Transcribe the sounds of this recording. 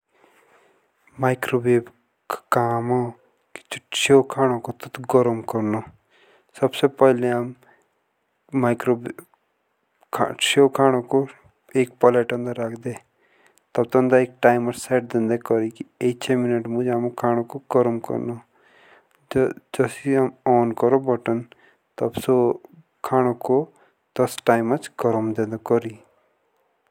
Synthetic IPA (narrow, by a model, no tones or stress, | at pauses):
maːɪkɾoːbeːb | kkaːmo | ki̥t͡ʃt͡ʃoːkʰaːɽ̃okot̪ət̪ɡɔɾəmkɔɾnoː | səbsepəɦleaːm | aːɪkɾoːb | kʰʃoːkʰaːɽ̃oko | eːk̚pɔleːʈə̃nd̪əɾːaːkʰd̪eː | t̪ɐb̚t̪ɐ̃nd̪aeːk̚ʈaːɪmət͡ʃsɛːʈ̚d̪ɪ̃nd̪ekɔɾikieit͡ʃʰeːmɪnəʈmũd͡ʒaːmokʰaːɽ̃okoɡɔɾəmkɔ̰ɾno | d͡ʒəsiamɔːnkɔɾobɔʈən | t̪ɐbso | kʰaːɽ̃oko | t̪ɐsʈaːɪmat͡ʃɡɔɾəmd̪ẽnd̪okɔɾiː